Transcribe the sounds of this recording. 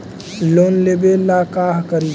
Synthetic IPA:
loːnlebelaːkaːɦkəɾi

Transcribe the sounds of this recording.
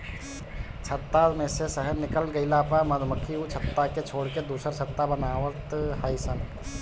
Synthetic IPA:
t͡ʃʰət̪ːamẽsesəɦəɾnɪkəlɡəɪlapəɾməd̪ʱməkʰiut͡ʃʰət̪ːaket͡ʃʰoːɽked̪uːsəɾt͡ʃʰət̪ːabənaːʋət̪ɦəjsən

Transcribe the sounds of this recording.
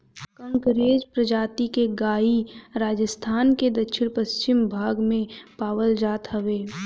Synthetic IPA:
kə̃ŋkɾeːd͡ʒpɾəd͡ʒaːt̪ikeɡaːiɾaːd͡ʒəst̪ʰaːnked̪ɐkʃɪnpəst͡ʃɪmbʱaːɡmẽpaːwəld͡ʒaːt̪ɦɐʋeː

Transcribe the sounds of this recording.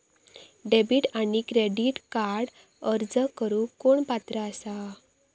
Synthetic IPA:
ɖebiʈanikɾeɽiʈkaɾɽ | əɾd͡zəkəɾuːkoɳpat̪ɾəəsa

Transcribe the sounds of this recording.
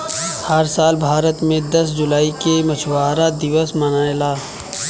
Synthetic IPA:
hɐɾsaːlbʱaːɾət̪mẽd̪ɐsd͡ʒʊlaːikemɐt͡ʃʰwaːɾad̪ɪʋəsmɐnaːelaː

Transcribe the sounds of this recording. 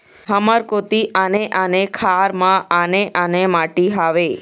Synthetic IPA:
ɦəməɾkot̪iʔaneʔanekʰaɾmãaneʔanemaʈiɦaʋe

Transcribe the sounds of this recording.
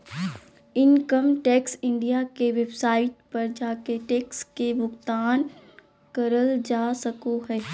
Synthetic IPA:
ɪŋkəmʈɛːksɪ̃ɳɖijakeʋebsaːɪt̪pɐɾd͡ʒaːkeʈɛːkskebʊɡt̪aːn | kɐɾəld͡ʒaːsɐkoɦɛː

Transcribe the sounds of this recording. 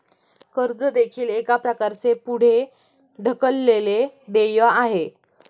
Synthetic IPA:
kəɾd͡zəd̪ekʰiːlekapɾəkaɾt͡sepuɽ̤e | ɖʱəkəlːeled̪ejəaɦe

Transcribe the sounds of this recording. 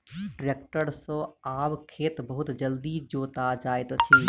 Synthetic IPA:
ʈɾekʈəɾsə̃abkʰeːt̪bəɦut̪d͡ʒəld̪id͡ʒoːt̪ad͡ʒajt̪t͡ʃʰi

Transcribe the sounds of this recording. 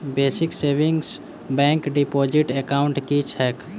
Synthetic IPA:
beːsɪkseːʋɪ̃ŋɡs | bɛ̃ːŋkɖipoːd͡ʒɪʈekaːʊ̃ɳʈkit͡ʃʰɛːk

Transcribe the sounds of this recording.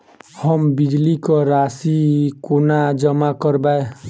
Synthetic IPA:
hʌmbid͡ʒlikɔɾasikonad͡ʒʌmakʌɾbaj

